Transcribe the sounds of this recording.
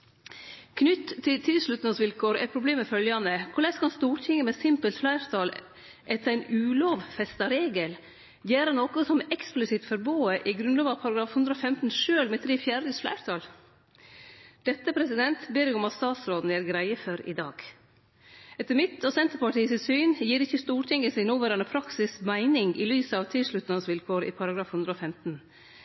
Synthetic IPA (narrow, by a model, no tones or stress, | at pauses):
kʰnʏt̪ʰːɪlt̪ʰɪlʂɭʉt̪nəsʋɪlkʰoːɾæ̰ɾpʰɾʊbleːmɛfœljɑnəkʰʊɭæskɑlst̪uːʈʰɪŋːəmɛsɪmpəlt̪flæɪɾt̪ʰɑl | ʔɛt̪ʰːəɾæɪnʉːloːʋfɛst̪ɑɾeːɡəl | jæːɾənoːkʊsɔmɛksplɪsɪt̪fɔɾboːəʔɪɡɾʉnɑːʋɑpʰɑɾɑɡɾɑːfhʉnd̪ɾəoːfɛmt̪n̩ʂøːlmɛt̪əɾɪfjæːɖəsflæ̰ɪɾt̪ʰɑl | d̪̥ɛt̪ːəpʰɾɛsɪd̪ɛnt̪beːɾjɛɡɔmɑt̪st̪ɑːt̪sɾoːd̪n̩æːɾɡɾæɪəfɔɾɪ̰d̪ɑ̰ːɡ̥ | ɛt̪ːəɾmɪt̪ʰɔsɛnt̪əɾpɑʈʰiːəsɪt̪syːnjiːɾɪçːəst̪uːɾʈʰɪŋəsɪnuːʋæɾɑɳəpʰɾɑksɪsmæɪnɪŋɪ̰lyːsəɑʋt̪ʰɪlʂɭʉt̪nɑsʋɪlkʰoːɾɪ̰ːpʰɑɾɑɡɾɑːfhʉnd̪ɾəoːfɛmt̪n̩